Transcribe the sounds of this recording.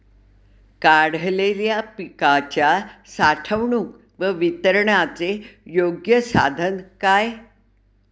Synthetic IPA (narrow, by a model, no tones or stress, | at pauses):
kaɽ̤leljapikat͡ɕjasaʈʰəʋɳuːk | ʋəʋit̪əɾɳat͡sejoɡjəsa̰d̪ʱənkaj